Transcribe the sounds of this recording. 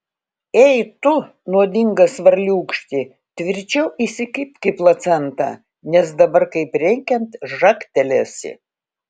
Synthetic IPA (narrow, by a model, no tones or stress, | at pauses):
ɛjt̪ʊ | nuɔd̪ʲɪŋɡɐsʋɐɾʲlʲuːkʃʲt̪ʲɪ | t̪ʲʋʲɪɾʲt͡ʃʲɛʊisʲɪkʲɪpʲkʲɪplˠɐt̪sʲɛnt̪ɑ̰ː | nʲɛsd̪ɐbɐɾkɐɪpɾʲɛŋʲkʲɛnt̪ʒɑkt̪ʲɛlʲɛsʲɪ̰